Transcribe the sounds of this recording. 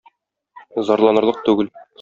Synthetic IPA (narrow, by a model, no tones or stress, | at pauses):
zɒɾlˠɑnɤ̆ɾlˠɤq̚t̪ʉɡɘl